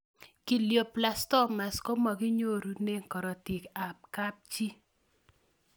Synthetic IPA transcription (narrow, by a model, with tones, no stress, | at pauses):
ki˨ljo˨pla˨stɔ˦ma˨sko˦ma˨ɡi˦ɲo˦ɾu˨ne˦ŋkɔ˨ɾɔ˨ti˨ka˨p̚ka˦p̚t͡ʃi˦